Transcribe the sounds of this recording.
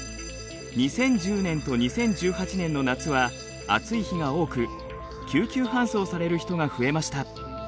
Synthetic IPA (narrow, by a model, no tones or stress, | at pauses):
ɲ̟isẽ̞ɲd͡ʑɨːnẽ̞nt̪o̞ɲ̟isẽ̞ɲd͡ʑɨːhat͡ɕinẽ̞nːo̞nat͡sɨβa | a̰t͡sɨiçiɡao̞ːkɯ̟ | kʲɨːkʲɨːɦãɰ̃so̞ːsaɾe̞ɾɯ̟çi̥t̪o̞ŋaɸɯ̟e̞maɕi̥t̪a